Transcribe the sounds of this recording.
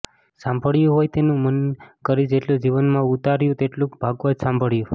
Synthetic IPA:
sãmbʱəɭjũɦojt̪enũmənkəɾid͡ʒeʈlud͡ʒiʋənmãut̪aɾjũt̪eʈlũkbʱaɡʋad͡ʒsãmbʱəɭjũ

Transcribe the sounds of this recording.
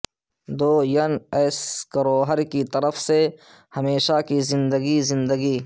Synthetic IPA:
d̪oːjɐneːskɐɾoːɦəɾkit̪ɐɾəfse | hɐmeːʃakizɪ̃nd̪əɡizɪ̃nd̪əɡiː

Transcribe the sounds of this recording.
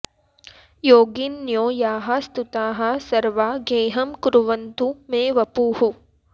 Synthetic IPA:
joːɡinjoːjaːɦɐst̪ut̪aːɦɐsɐɾʋaɡeːɦɐmkuɾuʋɐnt̪umẽːʋɐpuːhu

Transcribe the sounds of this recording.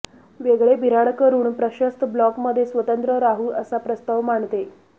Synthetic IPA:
ʋeɡɭebʱiɾaɽkəɾuːɳpɾəɕəst̪ʰblɔkməd̪ʱːjesʋət̪ənt̪ɾəɾaɦuʔəsapɾəst̪aʋmaɳt̪e

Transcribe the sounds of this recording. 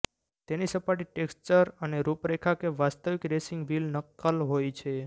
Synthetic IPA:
t̪enisəpaʈ̬iʈekst͡ʃəɾəneɾupɾekʰakeʋast̪əʋɪkɾesɪŋɡʋilnəkːəlɦojt͡ʃʰe

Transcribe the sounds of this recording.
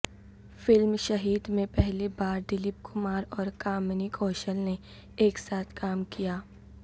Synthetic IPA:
fɪlmʃɐɦiːd̪mẽpɛɦlibaːɾɖɪlɪp̚kʰʊmaːɾɔːɾkaːmnikʰɔːʃəlne | eːksaːt̪ʰkʰaːmkijaː

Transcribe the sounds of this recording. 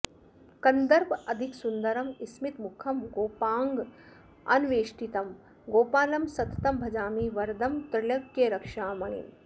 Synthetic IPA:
kɐnd̪ɐɾbɐd̪ʱiksund̪ɐɾɐmismit̪mʊkʰɐmɡoːpaːŋɡ | ɐ̰nʋeːʃʈit̪ɐm | ɡoːpaːlɐmsɐt̪ɐ̥t̪ɐmbʱɐd͡ʒaːmiːʋɐɾd̪ʱɐmt̪ɾɪlɐɡːeɾɐkʂaːmɐɳ̃ḭn

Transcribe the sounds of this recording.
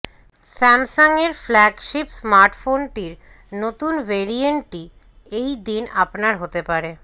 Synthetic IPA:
sɛmsoŋeɾflɛɡʃipsmaɾʈfonʈiɾ | not̪unveɾieɳʈi | ejd̪inapnaɾɦot̪epaɾe

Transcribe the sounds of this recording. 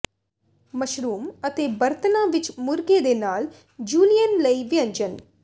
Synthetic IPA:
mɐʃɾuːmət̪eːbɐɾt̪ənaːʋɪt͡ʃmʊɾɡed̪eːnaːl | d͡ʒuːlijənləiʋɪjɐ̃ɲd͡ʒən

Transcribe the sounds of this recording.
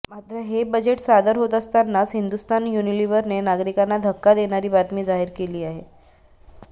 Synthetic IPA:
mat̪ɾəɦebəd͡ʑeʈsad̪əɾɦot̪əst̪anːasɦind̪ust̪anjuniliʋəɾnenaɡɾikanːad̪ʱəkːad̪eɽ̃aɾiːbat̪miːd͡zaɦiɾkeliːaɦe

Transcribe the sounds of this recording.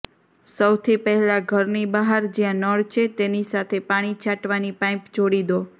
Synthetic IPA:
səwt̪ʰipəɦɛlaɡʱəɾnibaɦaɾd͡ʒjãnəɽt͡ʃʰet̪enisat̪ʰepaɽ̃it͡ʃʰaʈʋanipãĩpd͡ʒoɽid̪o

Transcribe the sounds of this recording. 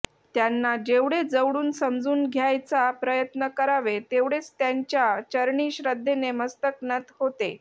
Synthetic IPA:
t̪janːad͡ʑeʋɽed͡zəʋɽuːnsəmd͡zuːnɡʱjajt͡sapɾəjət̪nəkəɾaʋet̪eʋɽet͡st̪jaɲt͡ɕjat͡ɕəɾɳiːɕɾəd̪ʱːeneməst̪əknət̪ɦot̪e

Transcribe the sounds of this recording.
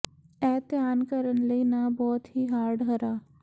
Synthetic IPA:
ɛːt̪jaːnkəɾənləiːnaːbɔːt̪ɦiːɦaːɾɖɦəɾaː

